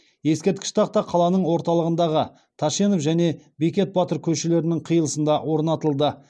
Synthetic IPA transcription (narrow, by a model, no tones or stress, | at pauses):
je̞skʲet̪kʲɪ̥ʃt̪ʰɑq̚t̪ɑqʰɑlˠɑnəɴwo̞ɾt̪ɑlˠəʁənd̪ɑʁə | t̪ʰɑʃe̞nofʒæne̞bekʲe̞t̪̚bɑt̪əɾkʲʰɵʃele̞ɾɪnɪŋqʰijəlˠəsənd̪ɑwo̞ɾnɑt̪əlˠd̪ə